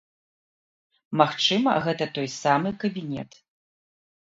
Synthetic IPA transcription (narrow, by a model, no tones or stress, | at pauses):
maxt͡ʂɨmɐ̰ɣɛt̪ɐt̪ɔjsamɨkɐbʲinʲɛ̰t̪